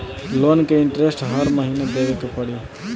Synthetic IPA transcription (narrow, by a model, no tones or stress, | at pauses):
lonkeɪɳʈɾesʈɦəɾməɦineb̪eʋekepəɽi